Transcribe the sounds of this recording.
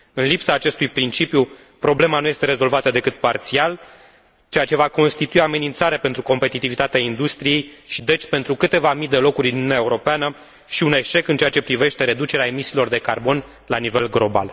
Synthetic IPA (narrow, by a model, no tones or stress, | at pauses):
ɨnlipsaːt͡ʃe̞st̪ujpɾint͡ʃipju | pɾo̞ble̞manuje̞st̪eɾe̞zo̞lvat̪əd̪e̞kɨt̪̚part̪sial | t͡ʃe̞jat͡ʃe̞vako̞nst̪it̪uiame̞nint̪saɾeape̞nt̪ɾuko̞mpe̞t̪it̪ivit̪at̪eaind̪ust̪ɾije̞jʃid̪e̞t͡ʃʲpe̞nt̪ɾukɨt̪e̞vamid̪e̞lo̞kuɾʲinuunʲaeuɾo̞peanə | ʃiune̞ʃe̞kɨnt͡ʃeat͡ʃe̞pɾive̞ʃt̪e̞ɾe̞d̪ut͡ʃe̞ɾeae̞misiːlo̞rd̪e̞karbo̞n | lanive̞lɡlo̞ba̰l